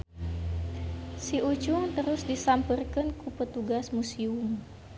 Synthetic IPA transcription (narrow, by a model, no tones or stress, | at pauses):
siud͡ʒʊŋt̪əɾʊsdisampərkənkupət̪uɡasmusium